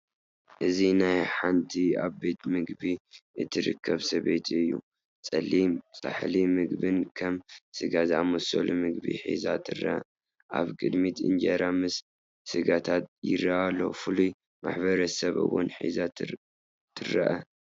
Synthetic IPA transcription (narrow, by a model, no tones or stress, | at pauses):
ʔɨzinajħant̪ʰiaβbe̞t̪mɨɡbiɨt̪ʰɨɾɨ̰kʰːɐβsɐβet̪ʰɨjːṵ | t͡sʼɐlːimt͡sʼa̰ħlimɨɡbɨnkʰɐmsɨɡazamoso̰lumɨɡbḭħḭzat̪ʰɨrɐ̰ʔɐ | ʔa̰βkʼɨd̪mit̪ɨ̰nd͡ʒɐɾamɨsː | ɨɡat̪ʰat̪jɪ̰ɾɐalːo̞̰fɨluj | ma̰ħbɐɾɐsɐβɨ̰wʊ̰nħḭza | t̪ʰɨrɐ̰ʔɐ